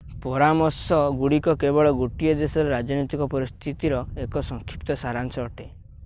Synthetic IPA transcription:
pɔɾamɔsɔɡuɽikɔkebɔɭɔɡoʈijɔd̪esɔɾeɾad͡ʒɔnɔt̪ikɔpɔɾist̪ʰit̪iɾɔekɔsɔŋkʰipt̪ɔsaɾansɔːʈe

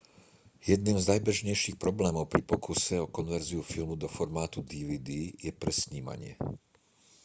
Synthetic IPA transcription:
jɛd̪niːmznajbɛʒɲɛjʃiːxpɾɔblɛːmɔʊpɾipɔkusɛɔkɔnʋɛɾziufilmud̪ɔfɔɾmaːt̪ud̪iʋiːd̪iːjɛpɾɛsɲiːma̰ɲɪɛ̰

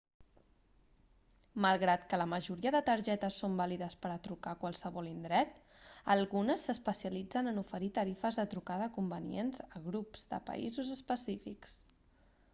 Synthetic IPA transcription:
məlˠɣɾat̪kələməʒuɾiəðət̪əɾʒɛt̪əsːombaliðəspəɾət̪ɾukakwalˠsəβɔlind̪ɾɛt̪ | əlˠɣunəsːəspəsiəlid͡zənənufəɾit̪əɾifəzðət̪ɾukaðəːkumbənḭenzəɣɾupz̥d̪ə̰pə̰ḭzuzəspəsifiks

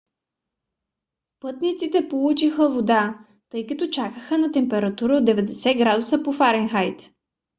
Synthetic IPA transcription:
pɤt̪nit̪sit̪ɛpolˠut͡ʃixəvod̪a | t̪ɤjkət̪ot͡ʃakəxənɐt̪ɛmpɛɾɐt̪uɾəod̪ːɛvɛd̪ɛsɛɡɾad̪ʊsəpofaɾɛnxajt̪

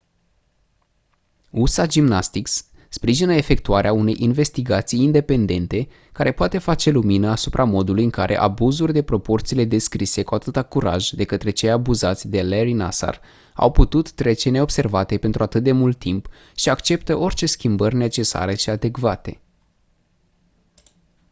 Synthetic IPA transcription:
usad͡ʒimnast̪iks | spɾiʒinəe̞fe̞k̚t̪uaɾeaune̞jʔinve̞st̪iɡat̪sijːnd̪e̞pe̞nd̪e̞nt̪e̞ | kaɾʔe̞poat̪e̞fat͡ʃe̞luminəasupɾʔamo̞d̪ulujɨŋkaɾʔe̞̰ʔa̰buzurʲd̪e̞pɾo̞po̞rt̪sile̞d̪e̞skɾise̞kuat̪ɨt̪akuɾa̰ʒd̪e̞kət̪ɾe̞t͡ʃe̞jabuzat̪sʲd̪e̞leɾina̰sa̰r | a̰wput̪ut̪ːɾe̞t͡ʃe̞ne̞ob̥se̞rvat̪e̞pe̞nt̪ɾuat̪ɨt̪̚d̪e̞mult̪ːimp | ʃiakt͡ʃe̞pt̪əʔo̞rʲt͡ʃe̞skʲimbərʲne̞t͡ʃe̞sa̰ɾe̞ʃiad̪e̞kvat̪e̞

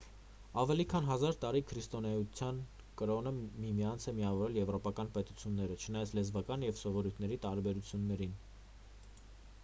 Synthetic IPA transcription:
ɑvɛlikʰɑnɦɑzɑɾt̪ɑɾikʰɾist̪ɔnɛut͡sʰjɑn | kəɾɔnəmimiɑnt͡sʰɛmiɑvɔɾɛljɛvɾɔpɑkɑnpɛt̪ut͡sʰjunːɛɾət͡ʃʰənɑjɑt͡sʰlɛzvɑkɑnjɛvsɔvɔɾujt̪ʰnɛɾit̪ɑɾbɛɾut͡sʰjunːɛɾin

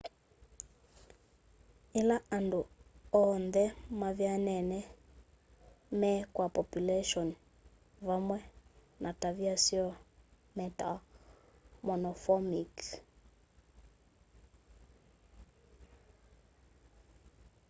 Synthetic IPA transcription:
ilaanduɔnd̪ɛmavjanɛnɛ | mɛkwapɔpjulɛʃɔn | vamwɛ | nʔataviasiɔ | mɛta̰ | mɔnɔfɔmik

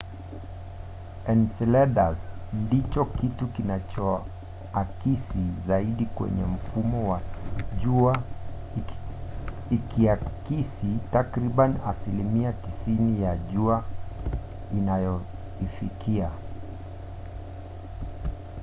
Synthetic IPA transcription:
ɛnsɛlɛɗasndit͡ʃɔkitukinat͡ʃɔ | akisizaiɗikwɛ̰ɲɛm̩fumɔwaʄua | ikiakisitakɾiɓanasilimiatisinijaʄua | inajɔ | ifikʰia

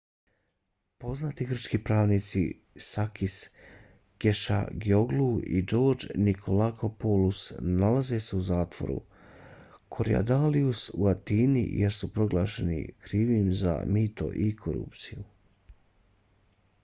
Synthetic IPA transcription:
po̞znaːt̪iɡr̩t͡ʃkiːpɾaːʋniːt̪sḭ | sakis | ɡ̥eʃa̰ɡjo̞ɡluḭd͡ʒo̞ːɾd͡ʒnikʰolakʰopolusnalaze̞se̞uzaːt̪ʋo̞̰ɾṵ | kʰoɾija̰d̪aliusuat̪iːnḭjeɾsupɾo̞ɡlˠaːʃe̞nḭkɾiːʋimza̰miːt̪o̞̰ʔikʰoɾṵpt̪siju

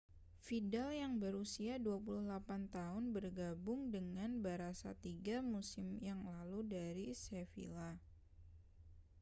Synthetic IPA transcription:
fidaljaŋbəɾusiaduapuluhlapant̪aɦʊnbərɡabʊŋdəŋanbaɾasa̰t̪iɡamusɪmjaŋlaludaɾisefḭla

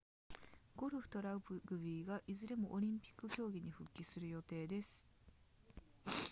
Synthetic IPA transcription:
ɡ̥o̞ɾɯ̟ɸɯ̟̥t̪o̞ɾaɯ̟pɯɡɯ̟bʲiːɡaʔizɨɾe̞mo̞ʔoɾʲĩmpʲi̥kːɯ̟kʲo̞ːɡʲiɲ̟iɸɯ̟kʲːisɨɾɯ̟jo̞t̪e̞ːd̪e̞sɨ̥

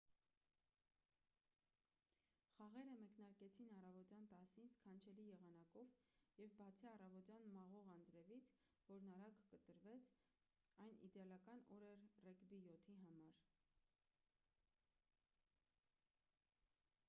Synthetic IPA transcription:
χɑʁɛɾəmɛknɑɾkɛt͡sʰinɑrɑvɔt̪jɑnt̪ɑsinskʰɑnt͡ʃʰɛlijɛʁɑnɑkɔvjɛvbɑt͡sʰiɑrɑvɔt̪jɑnmɑʁɔʁɑnd͡zɾɛvit͡sʰ | vɔɾnɑɾɑkːət̪əɾvɛt͡sʰ | ɑjnḭd̪ɛɑlɑkɑnɔɾɛɾrɛkbijɔt̪ʰiɦɑmɑɾ

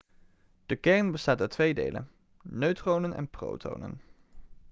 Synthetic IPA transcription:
d̥əkɛɹnbəstaːtatʋejdḛjlʔə̰n | nøɥtrownənɛ̰npro̰wtʰo̰wnə̰n

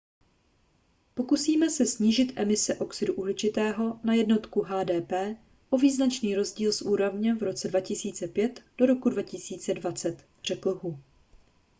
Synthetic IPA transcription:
po̞kusiːmɛsɛsɲiːʒɪt̪ʔɛmɪsɛʔo̞ksɪduʔuɦlɪt͡ʃɪt̪ɛːɦo̞najɛdno̞t̪kuɦaːdɛːpɛː | ʔo̞viːznat͡ʃniːɾo̞zɟiːlsʔuːɾovɲɛvɾo̞t͡sɛdvacɪsiːt͡sɛpjɛt̪d̥o̞ɾo̞kudvacɪsiːt͡sɛdvat͡sɛt̪ | r̝̥ɛkl̩ɦu

